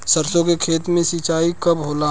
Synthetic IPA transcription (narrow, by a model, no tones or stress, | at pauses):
səɾsõkekʰeːt̪mẽsiːt͡ʃaːikɐbɦoːla